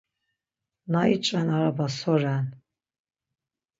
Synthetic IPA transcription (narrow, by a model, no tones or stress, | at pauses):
nait͡ʃʼanaɾabasɔran